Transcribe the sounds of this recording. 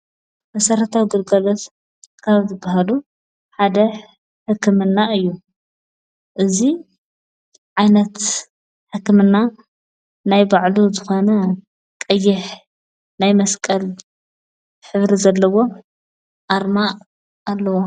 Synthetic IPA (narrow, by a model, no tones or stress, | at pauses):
mɐsɐɾɐt̪ʰawɡɨlɡɐlot̪ | kʰaβzɨbahalu | ħad̪ɐ | ħɨkːɨmɨnːaɨjːu | ʔɨzi | ʕajnɐt̪ | ħɨkːɨmɨnːa | najbaʕluzɨxo̞nɐ | kʼɐjːɪħ | najmɐskʼɐl | ħɨβɾizɐlːɐwo̞ | ʔaɾmaʔ | alːɐwo